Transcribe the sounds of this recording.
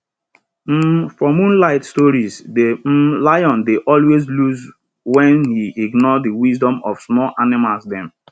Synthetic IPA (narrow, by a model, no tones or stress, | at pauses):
m̩fɹɔmũnlaɪtstɔɹizdem̩lajɔ̃ndeʔɔlwezluz | wɛ̃nhiiɡnɔdiwizdɔ̃mɔfsmɔlʔanɪmalsdɛ̃m